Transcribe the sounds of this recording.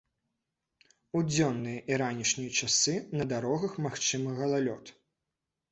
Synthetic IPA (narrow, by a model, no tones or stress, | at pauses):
ud͡zʲɔnːɨjɐʔiɾanʲiʂnʲijɐt͡ʂasɨnɐd̪aɾɔɣɐxmaxt͡ʂɨmɐɣɐlˠalʲɔt̪